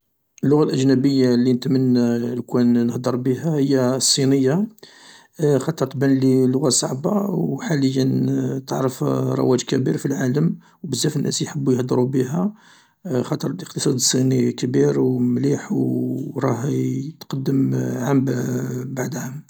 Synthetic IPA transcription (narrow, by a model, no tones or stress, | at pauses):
ʔəlːʊɣalʔəʒnæbəjːalːinət̪mənlkunnəhd̪əɾˤbihæhəjːæsˤːinəjːa | xɑt̪ˤəɾˤt̪bænlilːʊɣasˤɑʕbawħaləjːənt̪əʕɾəfɾˤɑ̰wæd͡ʒkæbiɾfilʕaləm | wbəzːæfənːæ̰sjħəbːujhd̪əɾubiɦæ | xɑt̪ˤəɾˤlʔəqt̪əsˤɑd̪əsˤːinikbiɾwmliħwɾˤɑɦt̪qɑd̪ːəmʕambbaʕd̪həm